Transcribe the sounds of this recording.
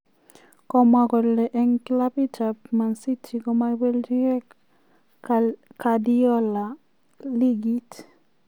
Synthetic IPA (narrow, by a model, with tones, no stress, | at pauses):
kɔ˨ma˨kɔ˨lɛ˨ʔɛ˦ŋkla˦pi˦ta˨pma˨nsi˦tʰi˨kɔ˦ma˦we˦ld͡ʒi˦ɛ˦ | ka˨djɔ˦la˨ | li˦ɡi˦t